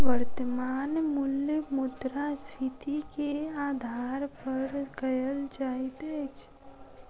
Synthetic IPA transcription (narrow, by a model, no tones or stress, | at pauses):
ʋəɾt̪əmaːnmʊljəmʊd̪ɾasʋit̪ikeaːd̪ʱaːɾpəɾɡəjəld͡ʒaːit̪et͡ʃʰ